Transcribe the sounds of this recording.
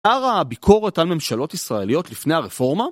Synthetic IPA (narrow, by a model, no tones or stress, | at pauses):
aʁabikʰo̞ʁe̞talme̞mʃalo̞tisʁae̞lijo̞t̪lifne̞jhaʁefo̞ʁma